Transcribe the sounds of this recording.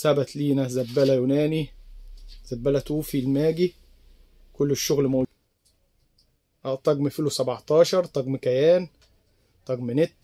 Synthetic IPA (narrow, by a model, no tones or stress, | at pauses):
sæbæt̪liːnæzæbːælæjunæːni | zæbːælæt̪uːfilmæːɡi | kolːɪʃːoɣlmæʔ | ʔt̪ˤɑɡmfiːlusæbɑʕt̪ˤɑːʃɑɾˤt̪ˤɑɡmkæjæːn | t̪ˤɑɡmɪnet̪ː